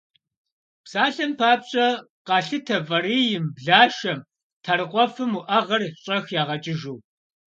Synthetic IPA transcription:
psaːɬɐmpʰaːpɕʼɐ | qɑːɬɨtʰɐvɐriːjɪmbɮaːʃɐm | tʰɐɾɨqʷɔfɨmuʔɐʁɐrɕʼɐxjaːʁɐt͡ʃʼɪʒuw

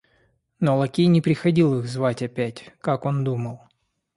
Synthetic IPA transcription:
nolˠɐkʲijnʲɪpɾʲɪxɐdʲilˠɨɣzvatʲɐpʲætʲkako̞nd̪uməlˠ

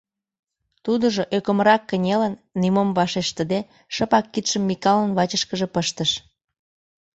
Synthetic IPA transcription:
t̪ud̪əʒoʔøkə̆mɾɑkːənʲelənːimomvɑʃeʃt̪əd̪e | ʃəpɑkːit̪ʃəmːikɑlənβɑt͡ɕəʃkəʒĕpəʃt̪əʃ

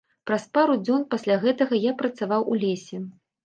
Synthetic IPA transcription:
pɾɐspaɾud͡zʲɔnpasʲlʲaɣɛt̪ɐɣɐjapɾɐt̪savawʔulʲesʲɛ

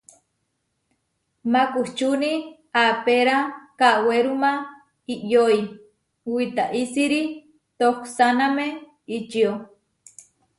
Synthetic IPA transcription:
makuht͡ʃuni | apeɾakaʔweɾuma | iʔjoi | wit̪aʔisiɾi | t̪oksaname | it͡ʃio

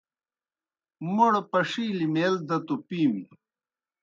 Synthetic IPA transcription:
muɽpɐʂiːlimeːld̪ɐt̪upiːwi

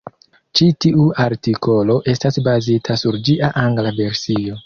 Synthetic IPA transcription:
t͡ʃitiuaɾtiko̞lo̞ʔe̞stasbazitʰasuɾd͡ʒiʔaʔaŋɡlave̞ɾsio̞

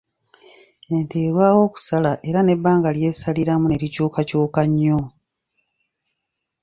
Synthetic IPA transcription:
e̞nteːɾwaːwo̞ːku̥salaʔe̞ɾane̞bːaːŋɡalje̞ːsaliɾamune̞ɾicoːkacoːkaɲːo

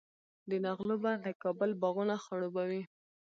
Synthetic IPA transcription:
d̪ənaɣlubad̪əkɑbəlbaɣunaxaɽobawi

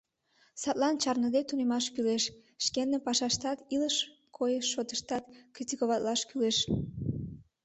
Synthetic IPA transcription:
sɑt̪lɑnt͡ɕɑrnəd̪et̪unemɑʃkyleʃʃkenːepɑʃɑʃt̪ɑt̪iləʃ | kʰojəʃːot̪əʃt̪ɑt̪krit̪ʲikoβɑt̪lɑʃkyleʃ

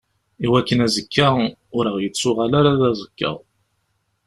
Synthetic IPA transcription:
iwækːənæzəkʰːaʊɾəʁjət͡sːʊʁalaɾaðæzəkːə̰ʁ

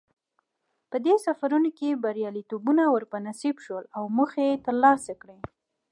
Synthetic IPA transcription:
pəd̪esafaɾunokebaɾjɑlit̪obunawəɾpənasibʃwəlawməxejet̪əɾlɑsakɽe

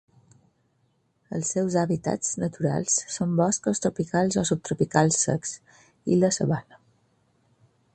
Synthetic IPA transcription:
əlˠsːɛwzaβit̪a̰t͡snət̪uɾa̰lˠsːombɔskəst̪ɾupikalˠzɔsup̚t̪ɾupikalˠsːə̰ks | ḭləsəβanə

